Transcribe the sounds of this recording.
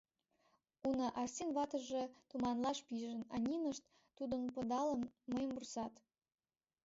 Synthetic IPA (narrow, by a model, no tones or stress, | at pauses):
unɤ̆ʔɑrsʲinβɑt̪ɤ̆ʒet̪umɑnlɑʃpiʒə̆nɑ̰nʲinəʃt̪ | t̪ud̪ə̆npɤ̆d̪ɑlə̆mːəjəmbursɑt̪